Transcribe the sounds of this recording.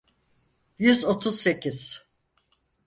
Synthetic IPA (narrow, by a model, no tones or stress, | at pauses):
jyzot̪ʰuzse̞ciz̥